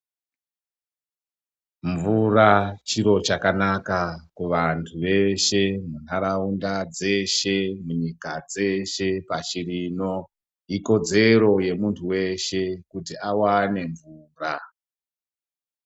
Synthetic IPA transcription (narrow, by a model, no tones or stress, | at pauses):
ɱvurat͡ʃiɾo̞t͡ʃakanakakuʋantʰuʋe̞ʃe̞mun̤aɾaundad͡ze̞ʃe̞muɲikad͡ze̞ʃe̞pat͡ʃirino̞ | iko̞d͡ze̞ɾo̞je̞muntʰuwe̞ʃe̞kutiawane̞ɱvuːra